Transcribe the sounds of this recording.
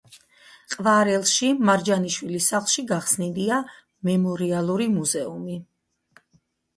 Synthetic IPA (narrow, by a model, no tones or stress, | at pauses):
qʼvaɾɛlˠʃimaɾd͡ʒaniʃwilisaχlˠʃiɡaχsnid̪ia | mɛmɔɾialˠuɾimuzɛumi